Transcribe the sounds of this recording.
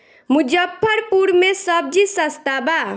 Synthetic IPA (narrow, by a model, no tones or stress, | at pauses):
mud͡ʒəpʰːəɾpuɾmesəb̚d͡ʒisəst̪aba